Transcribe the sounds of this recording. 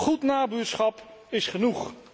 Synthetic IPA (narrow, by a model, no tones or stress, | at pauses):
χutnaːbyːsχɑpɪsχənuχ